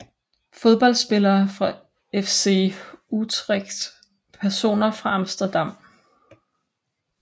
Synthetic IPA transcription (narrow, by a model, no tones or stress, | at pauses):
fo̝ð̞ˠb̥ɒ̽l̰̥sb̥e̝lɐːfʁɑ̈ | efse̝̰ut͡sʰʁeɡ̥d̥ | pʰæɐso̝̰ːnɐfʁɑ̈ɑmsd̥ɐd̥ɑ̈m̰